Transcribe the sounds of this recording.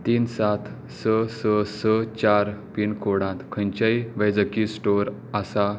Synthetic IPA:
t̪iːnsat̪ʰ | səsəsət͡ɕaɾpiɳkʰoɽãt̪kʰə̃ɲt͡ɕajʋəd͡zəkisʈoɾ | asa

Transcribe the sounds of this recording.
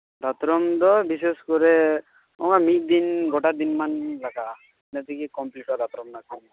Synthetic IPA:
d̪at̪ɾɔmd̪ɔbis̬eskɔɾɛ | ɔmamik̚d̪inɡɔʈad̪inmanlaka | nɛt̪ikikɔmpliʈɔd̪at̪ɾɔmnakɔn

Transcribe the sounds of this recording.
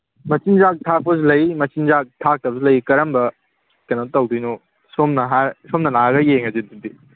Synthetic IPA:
mɐt͡ʃinzak̚tʰak̚pɐz̬ulɐjmɐt͡ʃinzak̚tʰak̚tɐbsulɐjkɐɾɐmbɐ | kɐnatɐwdijno | somnɐɦasomnɐlaɡɐjeŋɐzidudi

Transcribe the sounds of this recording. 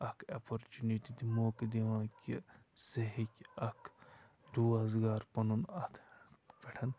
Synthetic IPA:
ɐkʰɐpʰoɾt͡ʃuniʈid̪imoːkd̪eʋãːkʲi | seɦikʲɐkʰ | ɾuazɡaːɾpɐnunɐt̪ʰpeʈʰɐn

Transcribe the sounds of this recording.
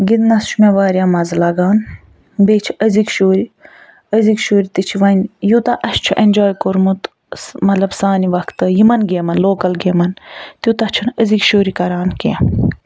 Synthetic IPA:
ɡid̪nɐst͡ʃʰumeʋaːɾʲjãːmɐzlɐɡaːn | beːt͡ʃʰiəzikʃoːɾi | əzikʃoːɾit̪it͡ʃʰiʋɐnʲjut̪ɐʔɐʃt͡ʃʰuʔenʲd͡ʒoːjkoɾmut̪ | mɐt̪lɐbsaːniʋɐkt̪ɨjimɐnɡeːmɐnloːkɐlɡeːmɐnt̪jut̪ɐt͡ʃʰunəzikʃoːɾikɐɾaːnkḛ

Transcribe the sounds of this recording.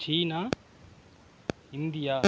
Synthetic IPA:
t͡ʃiːna | ind̪ijaː

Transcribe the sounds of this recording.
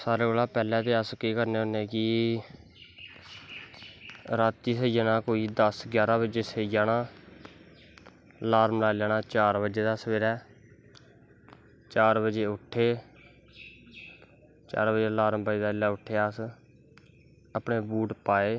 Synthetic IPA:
saːɾeːkolaːpɛːlɛ̃ːt̪eːəskiːkəɾneːʊneːkiː | ɾaːt̪ːiːsəjaːnaːkoːiːd̪əsɡjaːɾãːbəd͡ʒeːsejaːnaː | laːɾmlaːlaːnaːt͡ʃaːɾbəd͡ʒeːd̪aːsəʋeːɾɛː | t͡ʃaːɾbəd͡ʒeːʊʈʰːeː | t͡ʃa̰ːɾbəd͡ʒeːlaːɾmbəed̪aːɪlːaːʊʈʰːeːəs | əpneːbuːʈpaːeː

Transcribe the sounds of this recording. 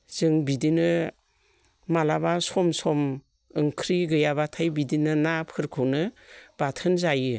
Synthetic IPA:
z̥ɯŋbidinɯ | malabasɔmsɔm | ɯŋkʰɾiɡɯjabatʰajbidinɯnapʰɯɾkʰɯwnɯbatʰɯnzajɯ

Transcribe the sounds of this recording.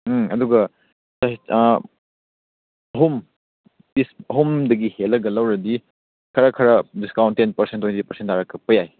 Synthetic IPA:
ɐduɡɐ | sɐ | ɐɦum | disɐɦumdɐɡihelːɐɡɐlɐwɾɐdi | kʰɐɾɐkʰɐɾɐdiskawntːenpɐɾsentwentipɐɾsentːaɾɐkʰːɐpɐjaj

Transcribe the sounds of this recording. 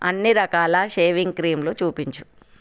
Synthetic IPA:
ɐnːiɾɐkaːlɐʃeːʋiŋɡkɾiːmloːt͡ʃuːpiɲt͡ʃu̥

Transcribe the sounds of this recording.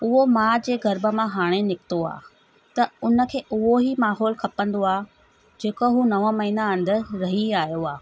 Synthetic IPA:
ʊɦomãːd͡ʑeːɡɐɾbə̆mãɦaːɽ̃enɪkɪt̪oa̰ː | t̪ɐʊnə̆kʰeːʔʊɦoɦimaːɦɔːlkʰɐpə̃nd̪oaː | d͡ʑeːkoɦunɐʋə̃mɐɦiːnaɐ̃nd̪ɪ̆ɾɐɦiaːɦijoaː

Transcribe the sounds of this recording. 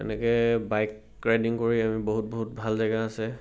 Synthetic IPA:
tɛ̰nɛkɛbajkː | ɹajdiŋkoɹiamiboɦut̚boɦutbʱalzajɡaːsɛ

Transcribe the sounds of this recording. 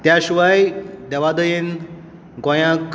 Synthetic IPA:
t̪jaɕʋajd̪ɛʋad̪əjin | ɡɔ̃jãk

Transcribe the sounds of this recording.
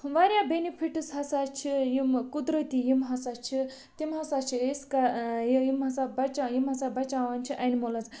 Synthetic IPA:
ʋaɾʲjabenipʰiʈɨsɦɐsat͡ʃʰijimkud̪ɾət̪ijimɦɐsat͡ʃʰi | t̪ʲimɦɐsat͡ʃʰieskajjimɦɐsabɐt͡ʃajimɦɐsabɐt͡ʃaʋɐnʲt͡ʃʰiʔɐnimolɐt͡sʰ

